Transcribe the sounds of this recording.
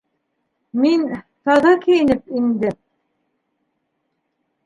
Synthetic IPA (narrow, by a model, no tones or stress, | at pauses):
min | t̪ɑðɑkɘ̆jɘ̆nɘp̚ind̪ɘ